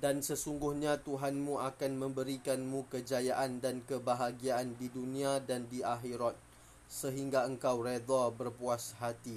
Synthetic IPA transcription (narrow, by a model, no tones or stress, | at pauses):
dansəsuŋɡʊhɲãt̪uɦanmũʔakanmə̃mbəɾikanmũkəd͡ʒajaʔandankəbaɦaɡiaːndidunĩadandiaɦiɾɔt̪̚ | səɦiŋɡaəŋkawred̪abərpuashat̪i